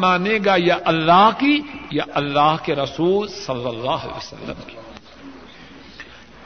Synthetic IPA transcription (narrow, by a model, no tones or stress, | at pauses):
maːneɡajɐʔɐlːaːɦkijɐʔɐlːaːɦkeɾɐsuːlsɐlːɐlːaːɦɐ̰lḛːəsɐ̰lːə̰mki̥